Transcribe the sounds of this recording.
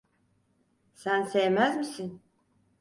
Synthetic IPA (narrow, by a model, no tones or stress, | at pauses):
sænsejemæzmisin